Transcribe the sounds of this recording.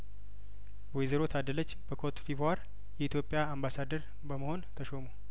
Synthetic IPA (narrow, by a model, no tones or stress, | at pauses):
wɔjzəɾot̪ʰad̪ələt͡ʃːb̥əkʰot̪pʰivaɾ | jɛit̪ʰjo̞pʼːjaambasad̪əɾ | bəməho̞nt̪ʰəʃo̞mu